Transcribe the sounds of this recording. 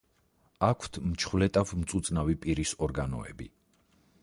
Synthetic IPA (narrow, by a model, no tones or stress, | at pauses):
akʷʰt̪ʰmt͡ʃʰχwlɛt̪ʼafmt̪sʼut̪sʼnavipʼiɾisɔɾɡanɔ̰ɛ̰bḭ